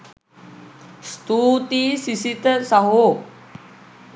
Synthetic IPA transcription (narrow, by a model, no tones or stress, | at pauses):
st̪ut̪isisit̪əsaɦo